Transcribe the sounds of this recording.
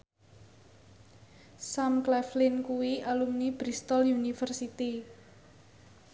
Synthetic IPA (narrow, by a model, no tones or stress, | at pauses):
samklɛflɪnkuwiʔalumnib̥ɾist̪ɔljunifərsit̪i